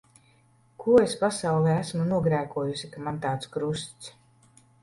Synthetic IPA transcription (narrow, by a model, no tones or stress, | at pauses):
kʰuɔespasawlˠɛːæsmunuɔɡɾæːkuɔjusikamant̪aːt̪skɾust̪s